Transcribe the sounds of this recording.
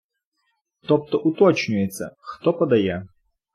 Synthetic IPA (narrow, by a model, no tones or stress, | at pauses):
t̪ɔp̚t̪ɔʔʊt̪ɔt͡ɕnʲʊjɛt̪sɐ̰xt̪ɔpɐd̪ɐja